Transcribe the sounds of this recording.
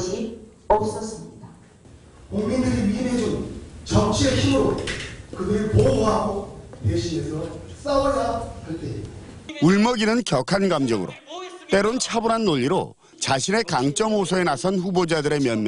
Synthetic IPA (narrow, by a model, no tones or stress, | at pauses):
d͡ʑi | ʌp̚s͈ʌs͈ɯmɲid̥a | koŋmindɯɾiɥined͡ʑont͡ɕʌmt͡ɕʰieçimɯɾokɯdɯɾpouɦaɡoteɕʰie̞sʰʌs͈awʌjaɯɭt͈e | uɭmʌɡinɯnkjʌkʰanɡamd͡ʑʌŋɯɾo̰t͈e̞ɾont͡ɕʰabuɾanːoʎːiɾo̰ | t͡ɕaɕʰine̞kaŋt͡ɕ͈ʌmosʰʌe̞nasʰʌnɸubod͡ʑadɯɾe̞mjʌnmjʌ